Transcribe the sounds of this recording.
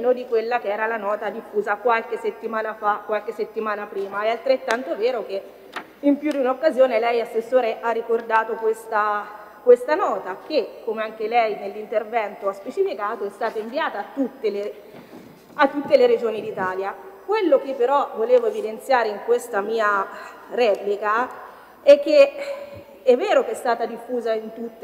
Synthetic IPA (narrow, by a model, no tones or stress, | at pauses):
nod̪ikwelːakeɛːɾalanɔːt̪ad̪ifːuːzakwalkesːet̪ːimaːnafakːwalk̟esːet̪ːimaːnapɾiːmaɛalt̪ɾet̪ːant̪oveːɾoke | impjud̪iunaokːazjoːnelɛjasːesːoːɾeʔarːikord̪aːt̪okwest̪a | kwest̪anɔːt̪ak̟ekːomeaŋk̟elɛjnelːint̪ervɛnt̪oaspet͡ʃifikaːt̪oɛst̪aːt̪aiɱviaːt̪aːt̪ːut̪ːele | at̪ːut̪ːeleɾed͡ʒoːnid̪it̪aːljakwelːok̟epːeɾɔvoleːvoevid̪ent̪sjaːɾeiŋkwest̪amiːaɾɛplika | ɛkːe | ɛvːeːɾokeɛst̪aːt̪ad̪ifːuːzaint̪ut̪ː